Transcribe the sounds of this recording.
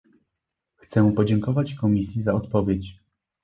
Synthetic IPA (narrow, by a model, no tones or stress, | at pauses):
xt̪sɛpɔd͡ʑɛŋkɔvat͡ɕkɔmʲisʲjizaɔt̪pɔvʲjet͡ɕ